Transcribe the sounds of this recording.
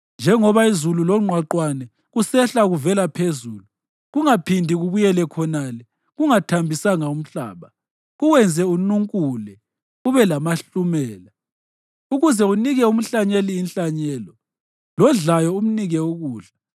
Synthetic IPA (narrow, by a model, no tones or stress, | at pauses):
nd͡ʒʱɛŋɔβaizululɔŋ͡ǃʱwaǃwanɛ | ɣusɛɬaɣuvɛlapʰezuːlu | ɣuŋapʰindʱiɣuβujɛlɛkʰɔnalɛ | ɣuŋatʰambʱisaŋaum̩ɬa̰ːβa | ɣuwɛnd͡zʱɛunuŋkʼulɛ | uβɛlamaɬumɛːla | uɣuzɛuniɣɛum̩ɬaɲeliːnɬaɲɛːlɔ | lɔnɮajɔum̩niɣɛuɣuːɬḁ